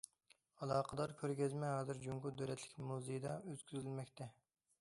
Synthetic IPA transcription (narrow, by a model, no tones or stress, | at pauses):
ɑlˠɑːqʰəd̪ɑɾkʲʰøɾɡʲɛzmɛɦɑːzɨɾd͡ʒuŋkud̪øɾɛt̪ʰlɪkʲmuzejid̪ɑøz̥kʲyzylmɛkʲt̪ʰɛ